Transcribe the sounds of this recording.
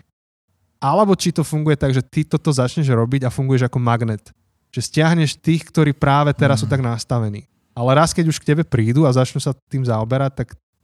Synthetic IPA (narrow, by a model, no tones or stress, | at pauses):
ʔalɛbɔt͡ʃit̪ɔfuŋɡujɛt̪aɡʒɛt̪it̪ɔt̪ɔzat͡ʃɲɛʒɾɔbiɟafuŋɡujɛʒakɔmaɡnɛt̪ | ʒ̥ɛscɪaɦɲɛʃt̪iːxkt̪ɔɾiːpɾaːʋɛt̪ɛɾas̬ːuːt̪aɡnast̪aʋɛnḭː | alɛɾaskɛɟuʃkcɛbɛpɾiːd̪uazat͡ʃnusat̪iːmzaɔbɛɾac̚t̪ak